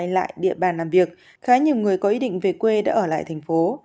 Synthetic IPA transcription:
jla̰ː˧˨jɗḭ˧˨əɓaː˨˩nlaː˨˩mvi˨˩ək̚ | xaː˨˦ɲi˨˩wŋɨ˨˩əjkɔ˨˦ʔi˧ɗḭ˧˨ŋ̟ve˨˩kwe˧ɗa̰ː˧˥ʔəː˧˩la̰ː˧˨jt̪ʰjŋ̟fo˨˦

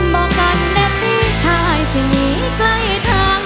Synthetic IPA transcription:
mɔː˧˩ka˧nːɛ˧˥p̚t̪ʰiː˥˩t̪ʰaː˧˩jsi˨˩ŋiː˨˦ | kla˧˥˩jt̪ʰaː˧ŋ

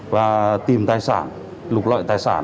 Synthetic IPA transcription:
vaː˨˧˩t̪i˨˩mt̪aː˧˨jsa̰ː˧˩˦n | lu˨˧k̚lɔ̰˧˨jt̪aː˧˨jsa̰ː˧˩n

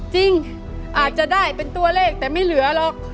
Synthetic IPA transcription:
t͡ɕi˧ŋ | ʔaː˨˩t̪̚t͡ɕa˨˩daː˥˩jpe˧nt̪u˧ɐleː˥˩k̚t̪ɛː˨˩ma˥˩jlɯ˨˩˦ɐlɔ˨˩k̚

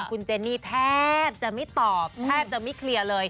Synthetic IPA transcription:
kʰu˧nt͡ɕeː˧niː˥˩t̪ʰɛː˥˩p̚t͡ɕa˨˩ma˥˩jt̪ɔː˨˩p̚t̪ʰɛː˥˩p̚t͡ɕa˨˩ma˥˩jkʰli˧ɐlɤː˧j

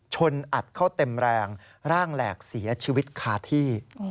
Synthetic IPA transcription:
t͡ɕʰo˧nʔa˨˩t̪̚kʰa˥˩wt̪e˧mɾɛː˧ŋ | ɾaː˥˩ŋlɛː˨˩k̚si˩˦ɐt͡ɕʰiː˧wi˦˥t̪̚kʰaː˧t̪ʰiː˥˩

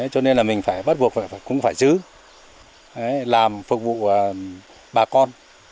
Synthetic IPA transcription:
ə˨˦jt͡ɕɔ˧ne˧nlaː˨˩mï˨˩ŋ̟faː˧˩jɓə˦˥t̚vu˨˩ək̚va̰˧˨˧kʊ̰˧˥ŋ͡mfaː˧˩jzɨ˨˦ | ʔə˨˦jlaː˨˩mfɨ˨˩k̚vṵ˧˨˩ | ɓaː˨˩kɔ˧n

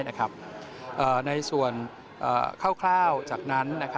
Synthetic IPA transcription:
na˦˥kʰa˦˥p̚ | ʔɤː˨˩na˧jsu˨˩ən | ʔə̰ː˨˩kʰaː˥˩wkʰlaː˥˩wt͡ɕaː˨˩k̚na˦˥nːa˦˥kʰa˦

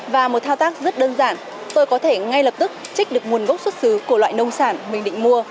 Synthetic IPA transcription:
vaː˨˩mo˨˩t̚t̪ʰaː˧wt̪aː˦˥k̚zə˦˥t̚ɗəː˧nzaː˧˩n | t̪o˧jkɔ˨˦t̪ʰe˧˩ŋa˧jlə˨˩p̚t̪ɨ˦˥k̚t͡ɕi˦˥k̟̚ɗɨ˨˩ək̚mu˨˩ənɣə˦˥wk͡p̚swə˦˥t̚sɨ˨˦ku˧˩əlwa̰ː˧˨jnə˧wŋ͡msaː˧˩nmï˨˩ŋ̟ɗḭ̈˧˨ŋ̟mu˧ə

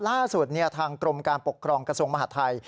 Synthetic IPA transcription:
laː˥˩su˨˩t̪̚ni˥˩ɐt̪ʰaː˧ŋkɾo˧mkaː˧npo˨˩kʰːɾɔː˧ŋkɾa˧su˧əma˧ɦaː˨˩t̪ʰːa˧j

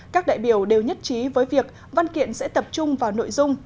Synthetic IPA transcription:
kaː˦˥k̚ɗa̰ː˧˨jɓi˧˩əwɗe˨˩wɲə˦˥t̚t͡ɕi˨˦vəː˨˦jvi˨˩ək̚ | va˧nkḭ˧˨ənsɛ̰˧˥t̪ə˨˩p̚t͡ɕʊ˧ŋ͡mvaː˨˩wno̰˧˨jzʊ˧ŋ͡m

